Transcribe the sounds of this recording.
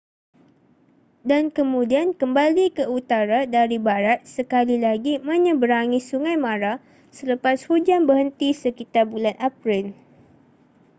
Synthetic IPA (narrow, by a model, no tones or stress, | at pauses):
dankəmũdiankəmbalikəut̪aɾadaɾibaɾat̪̚səkalilaɡimãɲə̃bəɾaŋisuŋajmãɾa | sələpashud͡ʒanbəhənt̪isəkit̪arbulanʔapɾɪl